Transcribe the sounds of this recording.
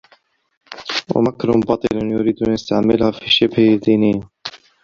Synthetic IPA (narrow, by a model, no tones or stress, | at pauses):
wa̰makɾʊmbɑt̪ˤɨlʊnjʊɾiːd̪ʔanɪst̪aʕmɪlhafiʃːabhd̪ːiːnɪjːa